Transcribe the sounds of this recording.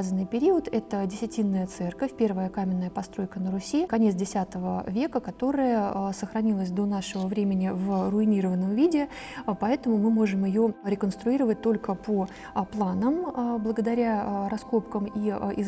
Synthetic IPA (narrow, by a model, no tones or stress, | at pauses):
zənːɨjpʲɪɾʲiət̪ɛt̪ədʲɪsʲɪtʲinːəjət̪sɛrkəfʲpʲe̞rvəjəkamʲɪnːəjəpɐst̪ɾo̞jkənəɾʊsʲikɐnʲet̪dʲɪsʲat̪əvəvʲe̞kəkɐt̪o̞ɾəjəsəxɾɐnʲilˠəsʲd̪o̞naʂəvəvɾʲemʲɪnʲɪvrʊɪnʲiɾəvənːəmvʲidʲɪ | pɐɛt̪əmʊmɨmo̞ʐɨmɪjoɾʲɪkənst̪ɾʊiɾəvət̚ʲt̪o̞lʲkəpo | plˠanəmblˠəɡəd̪ɐɾʲaɾɐsko̞pkəmiɪ